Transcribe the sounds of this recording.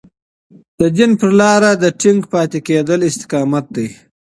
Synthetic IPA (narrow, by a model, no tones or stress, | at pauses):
d̪̥əd͡ʒɪnpəɾlɑɾad̪əʈɪŋɡpɑːt̪eked̪əlɪst̪ɪ̥qɑːmat̪̚d̪aj